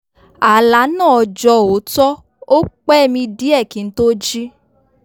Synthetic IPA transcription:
a˨la˨˦nãː˦˨ɔ˧d͡ʒɔ˧˨o˨˦tɔ˦ | o˦k͡pɛ˦˨mĩ˧di˨˦ɛ˦˨ki˨˦n̩˦to˦d͡ʒi˦

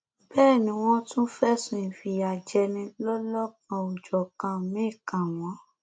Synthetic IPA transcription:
bɛː˦˨nĩ˨˧˦w̃ɔ̃˦tũ˦fɛ˦sũ˧˨ĩ˨fi˧˨a˨d͡ʒɛ˧nĩ˧lɔ˦lɔ˦k̚ã˧u˨d͡ʒɔ˨kã˧˨mĩ˨˦i˦˨kã˨w̃ɔ̃˨˦

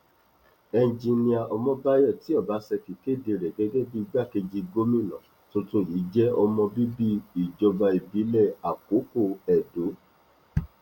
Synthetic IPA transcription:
ɛ˧˨d͡ʒi˧nĩ˧a˧ʔɔ˧mɔ̃˦ba˦jɔ˦˨ti˨˦ɔ˦˨ba˨˦sɛ˧ki˨ke˦˨de˧ɾɛ˨ɡɛ˦ɡɛ˦bi˦i˧ɡ͡ba˦˨ke˧d͡ʒi˧ɡo˦mĩ˦˨nɔ̃˨ | to˧tũ˦˨ji˨˦d͡ʒɛ˦ɔ˧mɔ̃˧bi˦bi˦i˨d͡ʒɔ˧ba˧i˨bi˨˦lɛ˦˨a˨ko˨˦ko˦˨ɛ˨do˨˦

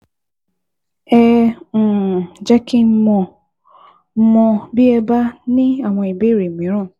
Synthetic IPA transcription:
ɛ˦˨ | d͡ʒɛ˦kĩ˦mɔ̃˧˦ | mɔ̃˧bi˦ɛ˧ba˦nĩ˦a˦˨w̃ɔ̃˧i˨be˦˨ɾe˨mĩ˨˦ɾ̃ũ˦˨

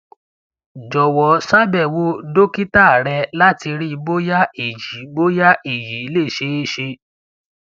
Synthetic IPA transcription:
d͡ʒɔ˨wɔ˨sa˦bɛ˦˨wo˦do˦ki˦ta˦˨ɾɛ˧la˦ti˧ɾi˦˧bo˦ja˦e˨d͡ʒi˨˦bo˦ja˦ʔi˨ji˨i˦le˦˨ʃe˦e˦ʃe˧

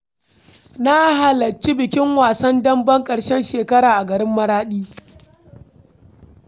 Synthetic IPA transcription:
na˦ɦa˨lɐ˨t͡ʃi˦bɪ˨kʲɪ˦ŋwaː˨sɐ˦ndɐ˦mbɐ˦ŋkʼɐ˨ɽʃɛ˦nʃeː˨kɐ˦ɽaː˨ʔa˨ɡɐ˨ɾɪ˦mːɐ˦ɾaː˦ɗiː˦

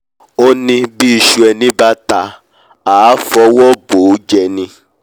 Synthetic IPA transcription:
o˦nĩ˧bi˦i˧˨ʃu˧ɛ˧nĩ˦ba˦ta˧ | a˨˦fɔ˧˦wɔ˦bo˨˦d͡ʒɛ˧nĩ˧

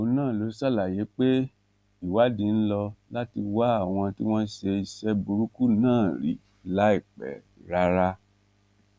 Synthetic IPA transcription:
o˨˦nãː˦˨lo˨˦sa˦˨la˨je˨˦k͡pe˦ | i˨wa˦dĩ˨˦n̩˦lɔ˧la˦ti˧wa˦a˦˨w̃ɔ̃˧ti˦w̃ɔ̃˦ʃe˧i˧sɛ˦bu˧ɾu˦ku˦nãː˦˨ɾḭ˨ | la˨˦i˦˨k͡pɛ̰˨ | ɾa˦ɾa˦

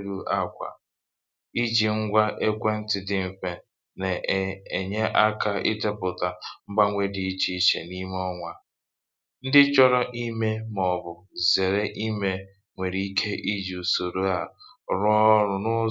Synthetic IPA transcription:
ɾu˦a˦kʷa̰˨ | i˦d͡ʒi˨ŋ̩˦ɡʷa˦ʔe˦kʷe˦n̩˦tɪ˨dɪ˦m̩˨fe˨ | ne˨e˨ɲe˦ʔa˦kʰa˦ɪ̰˦te˦pʊ˨ta˨ŋ͡m̩˦ɡ͡ba˦ŋʷe˦di˨i˦t͡ʃi˨i˦t͡ʃḛ˨ni˦m˦ɔ˦ŋʷa˦ | n̩˦dɪ˦t͡ʃɔ˦ɾɔ˦ʔi˦me˦mɔ˨bʊ˨ze˨ɾe˦ʔi˦me˨ | ŋʷe˨ɾi˨i˦kʰe˦ʔi˦d͡ʒi˨u˨so˨ɾo˦a˨ɾɔ˦ɾʊ˨nʊ˦

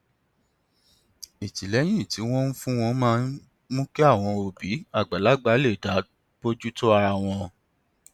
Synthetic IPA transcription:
i˨ti˨lɛ˨˦j̃ĩ˦˨ti˨˦w̃ɔ̃˦n̩˦fũ˦w̃ɔ̃˧mãː˦n | mũ˦ke˦a˦˨w̃ɔ̃˧o˨bi˨˦a˦˨ɡ͡ba˨la˨˦ɡ͡ba˨˦le˦˨da˨˦ | bo˦d͡ʒu˦to˦a˧ɾa˧˨w̃ɔ̃˧

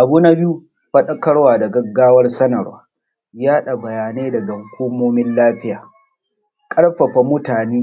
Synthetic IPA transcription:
ʔa˨buː˦na˦bɪ˦u˦ | ɸɐ˦ɗɐ˦kɐ˦ɽwaː˨da˨ɡɐ˦ɡːaː˦wɐ˦rsɐ˦nɐ˨ɽwaː˦ | jaː˦ɗa˨bɐ˨jaː˨neː˦dɐ˨ɡa˨hʊ˦kʷu˦moː˦mɪ˦nlaː˦ɸɪ˦jaː˨ | kʼɐ˦ɽɸɐ˨ɸa˨mʊ˦taː˨neː˦

